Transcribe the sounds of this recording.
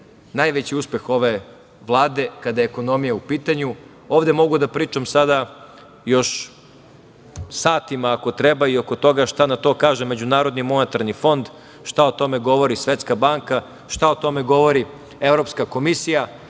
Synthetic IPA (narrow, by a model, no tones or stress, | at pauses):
najʋet͡ɕiuspe̞xo̞ʋe̞ | ʋlˠaːd̪e̞kad̪ajeeko̞no̞mijaupiːt̪aɲu | oːʋd̪e̞mo̞ɡud̪apɾiːt͡ʃamsad̪a | jo̞ʃ | saːt̪imaːko̞t̪ɾebaio̞kot̪o̞ɡaʃt̪anat̪o̞ːkaːʒeme̞d͡ʑunaːɾo̞d̪nimo̞net̪aɾnifo̞nd̪ | ʃt̪aot̪o̞me̞ɡo̞ʋo̞ɾisʋet̪skabaŋka | ʃt̪aot̪o̞me̞ɡo̞ʋo̞ɾi | e̞vɾo̞pskako̞misija